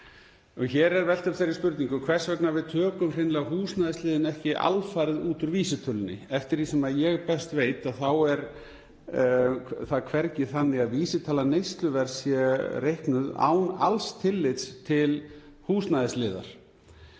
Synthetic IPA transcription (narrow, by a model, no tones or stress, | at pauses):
ɔɣçɛːɾɛɾvɛlt̪ʏpθejɾispʏɾt̪niŋkʏkʰvɛr̥svɛknavɪðt̪ʰœːkʏmrɪjnlɛɣahuːsnaðɪslɪːðɪnɛhcɪʔa̰lfajɾðuːt̪ʏɾviːsɪt̪ʰʏlʏnɪ̰ɛft̪ɪɾ̥hisɛmaðjɛɣpɛst̪veːjt̪aðθawɛɾ | θakʰvɛɾcɪθanːɪaðviːsɪt̪ʰaːlanejst̪lʏvɛɾ̥sjɛrejhknʏða̰ːwna̰lst̪ʰɪlːɪt̪st̪ʰɪl | huːsnaðɪslɪːða̰ɾ̥